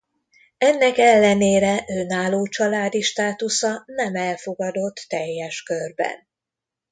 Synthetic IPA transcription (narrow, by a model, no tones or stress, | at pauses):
ɛnːɛkɛlːɛneːɾɛʔønaːloːt͡ʃɒlaːd̪iʃt̪aːt̪usɒnɛmɛlfo̞ɡɒd̪o̞t̪ːɛjːɛʃkørbɛ̰n